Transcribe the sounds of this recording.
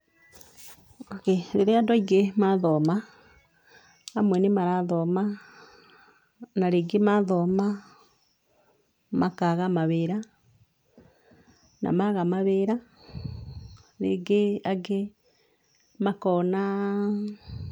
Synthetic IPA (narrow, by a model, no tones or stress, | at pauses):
akeɾeɾeadɔiɡemaðɔma | mwɛnemaɾaðɔma | naɾeːɡemaðɔːma | makaɣamaβeːɾa | nʔa̰maɣamaβeːɾa | ɾḛɡeaɡe | makɔna